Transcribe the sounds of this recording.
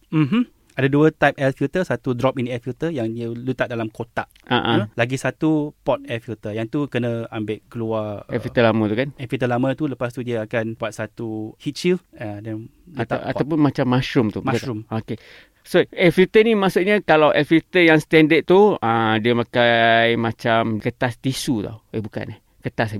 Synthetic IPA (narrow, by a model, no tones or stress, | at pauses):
m̩ɦm̩ | adəduət̪ajp̚ɛlfilt̪əsat̪udɾɔp̚inɛfilt̪əjaŋdiəlut̪aʔ̪̚dalamkot̪aʔaʔaəlaɡisat̪upɔt̪̚ɛlfilt̪əjaŋt̪ukənə̃ambɪʔkəluaɛfit̪əlamət̪ukanɛfilt̪əlamət̪uləpast̪udiəakanbuat̪̚sat̪uhit̪̚t͡ʃilad | at̪aa̰t̪awp̬ʊnmat͡ʃamːaʃɾʊmt̪umumoke | soɛfilt̪ənimasuʔ̚ɲəkalawʔɛfilt̪əjaŋst̪ɛndəʔ̪̚t̪uə̃diəmakajmãt͡ʃamkət̪ast̪isut̪a̰webuka̰nah | kət̪as